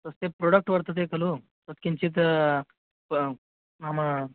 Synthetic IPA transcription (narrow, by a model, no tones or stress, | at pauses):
t̪əst̪epɾoɽək̚ʈʋəɾt̪ət̪ekəlu | t̪ət̪kint͡ɕiːt̪̬ | amə